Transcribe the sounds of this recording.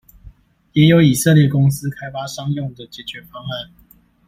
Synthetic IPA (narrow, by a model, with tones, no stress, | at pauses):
jɛ˨˥jo˨˦ʊi˨˩sɤ˥˧ljɛ˥˩kʊ˥ŋs̩˦kʰa˥ɪfa˥ʂɑ˥ŋjʊ˥˨ŋd̪ə˨˩t͡ɕjɛ˨˩t͡ɕɥɛ˨˦fɑ˥ŋa˥˨n